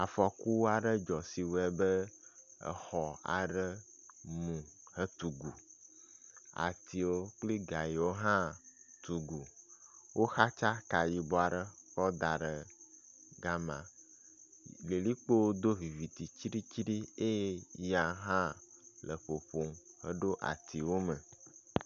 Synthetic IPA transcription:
a˨fɔ˨ku˦wa˨ɖə˦d͡ʒɔ˨si˨wɛ˦bə˦ə̰˨xɔ˨a̰˨ɖə˦ | mũ˨hə˦t̪u˨ɡu˨ | a̰˨t̪i˨wo˦k͡pli˦ɡa˨ji˨wo˦ɦã˦t̪u˨ɡu˨wʔo˦xa˦t͡ʃa˦ka˨ji˨bɔ˨˦a˨ɖə˦kɔ˦d̪a˨ɖə˨ | ɡa˦mã˨ | le˨li˦k͡po˦wo˦d̪o˦vi˨vi˨t̪i˨t͡ʃi˦ɖi˦t͡ʃi˦ɖi˦e˦ja˨ɦã˦lə˨ɸo˨ɸo˨mhə˦ɖo˦ʔa̰˨t̪ʰi˨wo˦mə˨

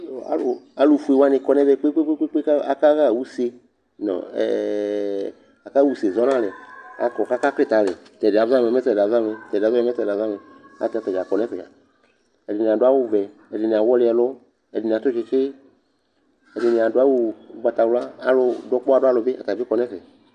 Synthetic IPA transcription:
a̰˦lo˨a˦lo˨fu˨˦e˨wa˦nẽ˨kɔ˦nɛ̃˦ve˦k͡pe˦k͡pe˦k͡pe˦k͡pe˦k͡pe˦ka˦a˨ka˦ɣa˦˨wu˦se˦ | nɔ̰̃˨ɛ̰˨ | a˨ka˦wu˦se˨zɔ˦nã˦le˨a̰˨kɔ˨ka˦ka˦ɸe˦t̪a˨lḛ˨t̪ɛ˨de˨a˨za˦me˨mɛ̃˦t̪ɛ˨da˨za˦me˨t̪ɛ˨dza˦e˦mɛ̃˦t̪ɛ˨da˨za˦me˨a̰˦t̪a˨t̪ɛ˨d͡ʒa˨kɔ˨nɛ̃˦fɛ˨a̰˨ | ɛ˨dɪ˨nĩ˨a˨ɖo˦a˦wu˦vɛ˨ɛ˨dɪ˨nĩ˨ã˨wɔ˦le˦ɛ˨lɔ˦ | ɛ˨dɪ˨nĩ˨ã˨t̪o˦d͡ʒe˨t͡ʃe˦ | ɛ˨dɪ˨nĩ˨ã˨do˦a˦wu˦ba˨t̪a˨wlo˦a˦a˦lo˨dɔ˦k͡pɔ˦a˨do˦a˦lo˨be˦ʔa̰˨t̪a˨vi˦kɔ˨nɛ̃˦ɸɛ˨

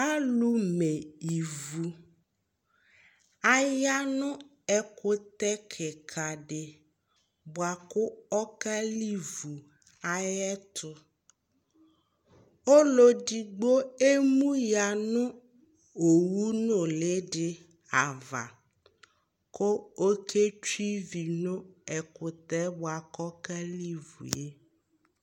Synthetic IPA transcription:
a˦lu˦me˨i˨vu˨ | a˦ja˦nʊ̃˦ | ɛ˦kʊ˦t̪ɛ˦kʰɛ˨kʰa˨ɖɪ˨ | bʊ˨a˨kʊ˦ɔ˦ka˦li˦vu˨ | a˨jɛ˦t̪ʰʊ˦ | o˦lo˦di˨ɡ͡bo˦e˦mũ˦ja˨nʊ̃˦ | o˨wu˦nʊ˨lɪ˦ɖɪ˨ | a˨va̰˨ | kʰo˦o˦kʰe˦t͡ʃi˦vi˨nʊ̃˦ɛ˨kʊ˨t̪ɛ˦bʊ˨a˨kɔ˦ka˦li˦vṵ˨je˦

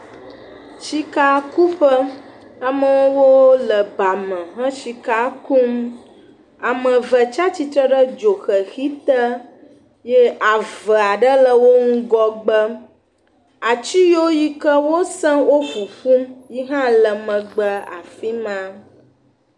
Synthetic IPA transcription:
t͡ʃi˦ka˦ku˦ɸə˦ | a˨mə˨wo˦wo˦lə˨ba˨mə̃˨ɦə̃˦ʃi˦ka˦ku˦m | a˨mə̃˨və˨t͡ʃa˦t͡ɕi˦t̪ɾə˦ɖə˦d͡ʒo˨xə˨xi˦t̪ə˦ | jɛ˦a˨və˨a˨ɖə˦lə˨wo˦ŋũ˦ɡɔ˦ɡ͡bə˦ | a˨t͡ʃi˦jo˦ji˦kə˦wo˦sɛ̃˦wo˦fu˨ɸu˦mji˦ɦã˦lə˨mə̃˨ɡ͡bə˦a̰˨fi˦mã˦

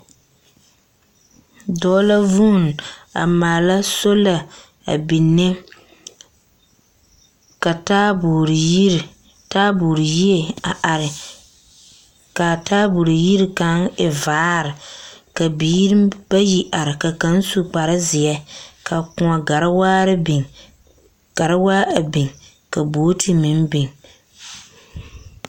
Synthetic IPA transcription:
dɔː˦la˦vu˦˨n˨a̰˨maː˨la˦so˦la˨ | a̰˨bi˨nːɪ˦ | ka˨ta˦bu˨ɾɾ | taː˦bu˨ɾi˨ji˦e˦a˨ʔa˨ɾɪ˨ | ka˨taː˦bu˨ɾi˨ji˦ɾi˨ka˨˦ŋɪ˨vaː˦ɾɪ˨ka˨biː˦ɾba˦ji˨ʔa˨ɾɪ˨ka˨ka˨˦n˦su˨k͡pa˨ɾɪ˦zɪ˨ɛ˦ka˨kʊ˨ɔ˨ɡa˨ɾɪ˦waː˦ɾɪ˦bɪ˨ŋ | ka˨ɾɪ˦waː˦a˨bɪ˨ŋ | ka˨bo˨˦tʰɪ˨mɪ˨n˦bɪ˨ŋ

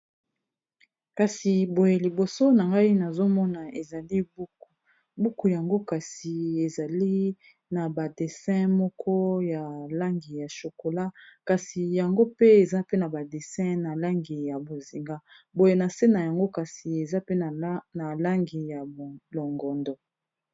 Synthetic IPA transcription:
ka˨si˨bo˨je˨li˨bo˨so˦na˨ŋɡa˦i˦na˨zo˦mɔ˦na˨e˨za˨li˦bu˨ | bu˦ku˨ja˨ŋɡo˦ka˨si˨e˨za˨li˦ | na˨ba˨de˨sɛ̃˦mɔ˦kʰɔ˦ja˨la˦ŋɡi˨ja˨ʃo˨ko˨la˦ka˨si˨ja˨ŋɡo˦pe˦e˨za˦pe˦na˨ba˨de˨sɛ̃˦na˨la˦ŋɡi˨ja˨bo˨zi˨ŋɡa˦ | bo˨je˨na˨se˦na˨ja˨ŋɡo˦ka˨si˨e˨za˦pe˦˨na˨la˦ŋɡi˨ja˨lo˨ŋɡɔ˨ndɔ˨

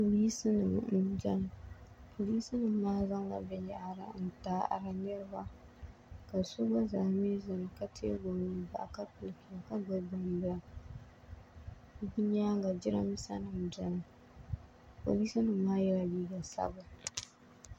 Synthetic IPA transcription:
po˨liː˦sɨ˦nɨ˨m̩˨˦d͡ʒɛ˦n˨pʰo˨li˦sɨ˦nɨ˨mː˦aː˦za˦ŋɡa̰˨bɛ˦ja˨ʔa˨ɾa̰˨˦n̩˨taː˦ʔa̰˨ɾa˦nɛ˦ɾɨ˦ba˦ | ka˨sʊ˦ba˦zaː˨me˦za˨n˨ka˦tʰḛ˦ɡo˨ni˦ba̰˨ʔa˨ka˦pɨ˨lki˨a˨ka˦bʊ˦bʊ˨m˨bɨ˦la˦˨ | bu˦ɲaː˦ŋɡa˨d͡ʒɪ˦ɾa˦m˦sa̰˦nɨ˨m˨d͡ʒɛ˦n˨ | po̰˨liː˦si˦nɨ˨mː˦aː˦jɛ˦la˨liː˦ɡa˨sa̰˦ba˨

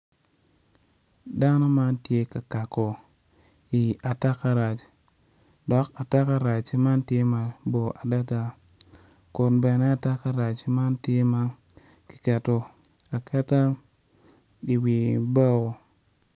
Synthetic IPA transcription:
da˦na˦ma˦ntje˦ka˨ka˨ko˨ | i˨a˨ta˦ka˦ɾa˨t͡ʃ | dɔ˨˦ka˨ta˦ka˨ɾa˨t͡ʃi˦ma˦nte˦ma˨bo˨ʔa˨da˦ta˨ | ku˨nbe˨ne˦a˨ta˦ka˦ɾa˨t͡ʃi˦ma˦nti˦ma˦ | ki̥˨ke˨to˦ | a˨kʰe˦ta˦ | i˨wi˨ba˦ko˨

